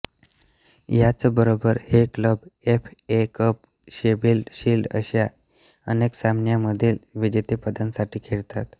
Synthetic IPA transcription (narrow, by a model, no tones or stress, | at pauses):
jat͡səbəɾobəɾhekləbefekəp̚ | ɕebiːlɕiːlɖə̰ɕja | əneksamnjaməd̪ʱiːlʋid͡ʑet̪epəd̪ənsaʈiːkʰeɽt̪at̪